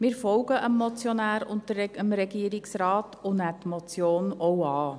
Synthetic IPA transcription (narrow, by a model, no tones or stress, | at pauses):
mɪːɾfɔlɡəʔəmːɔt͡sjɔnæːɾʊntəəmɾɛɡiəɾɪksɾɑːtʊnætmɔt͡sjoːnɔwɑː